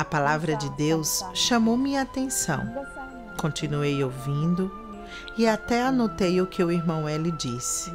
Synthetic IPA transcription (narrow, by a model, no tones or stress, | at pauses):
ɐpalavɾɐd͡ʒɪd̪ewsʃɐmowmɪat̪ẽsɐ̰̃w̃ | kõnt͡ʃinuejowvĩnd̪ʊ | ɪat̪ɛanot̪ejʊkʰɪʊiɾmɐ̃w̃ɛlɪd͡ʒisɪ̥